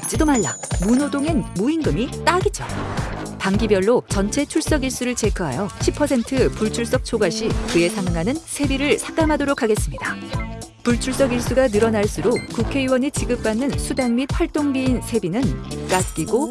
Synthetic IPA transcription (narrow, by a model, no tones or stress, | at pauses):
t͡ɕ͈idomaɭːa̰munodoŋe̞nmuinɡɯmit͈aɡit̚t͡ɕ͈opaŋɡibjʌɭːot͡ɕʌnt͡ɕʰe̞t͡ɕʰuɭs͈ʌɡiɭs͈uɾɯɭt͡ɕe̞kʰɯɦa̰jʌɕʰipʰʌsʰe̞ntʰɯpuɭt͡ɕʰuɭs͈ʌk̚t͡ɕʰoɡwaɕ͈ʰikɯe̞sʰaŋɯŋɦanɯnsʰe̞biɾɯɭsʰak͈amɦadoɾokʰaɡe̞s͈ɯmɲida | puɭt͡ɕʰuɭs͈ʌɡiɭs͈uɡanɯɾʌnaɭs͈uɾokukʰe̞iwʌnit͡ɕiɡɯp̚p͈anːɯnsʰudanmit̚ɸaɭt͈oŋbiːnsʰe̞binɯnk͈at̚k͈iɡo